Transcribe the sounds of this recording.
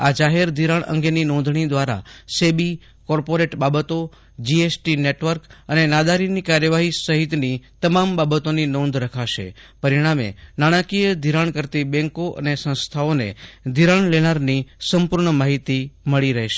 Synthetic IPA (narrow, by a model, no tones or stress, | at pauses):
ad͡ʒaɦeɾd̪ʱiɾaɳə̰̃ŋɡeninɔ̃nd̪ʱɳ̃id̪ʋaɾa̰sebi | kɔɾpoɾeʈbabət̪o | d͡ʒiesʈineʈʋəɾkənenad̪aɾinikaɾjəʋaɦisəɦit̪nit̪əmambabət̪oninɔ̃nd̪ʱɾəkʰaʃḛ | pəɾiɽ̃amḛnaɽ̃ãkijəd̪ʱiɾaɳkəɾt̪ibɛ̃ŋkoʔə̰nesə̃st̪ʰaonḛd̪ʱiɾaɳlenaɾnisəmpuɾɳəmaɦit̪iməɭiɾəɦeʃe